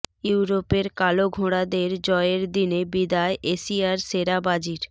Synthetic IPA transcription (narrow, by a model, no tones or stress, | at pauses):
juɾopeɾkaloɡʱoɽad̪eɾd͡ʑɔeɾd̪inebid̪aeʔesiaɾseɾabad͡ʑiɾ